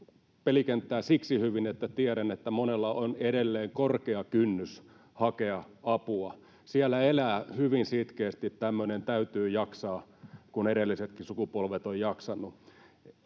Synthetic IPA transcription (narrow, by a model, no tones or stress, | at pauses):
pelikent̪ːˑæːsiksihyʋinet̪ːæt̪iæɾænet̪ːæmonelːɑʔonedelːeːŋkorkeɑkynːys | hɑkeɑ | ɑpuɑ | siælːæelæːhyʋinsit̪keːst̪it̪t̪æmːønent̪æyt̪yːjɑksɑːkuneɾelːiset̪kisukupolʋet̪ojjɑksɑnːu